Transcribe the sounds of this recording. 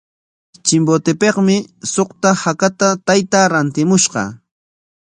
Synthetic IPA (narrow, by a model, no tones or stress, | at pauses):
t͡ʃɪmbot̪ɪpeqmɪsoχt̪ahakat̪at̪ajt̪aːɾant̪ɪmʊʃɢɑ̰